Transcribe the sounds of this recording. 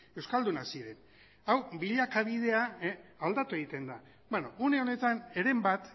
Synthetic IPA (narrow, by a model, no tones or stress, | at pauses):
e̞wskald̪unasiɾe̞n | awbiʎakaβ̞ið̞e̞aːld̪at̪ue̞ɣ̞it̪e̞nd̪a | benoune̞o̞ne̞t̪ane̞ɾe̞mbat̪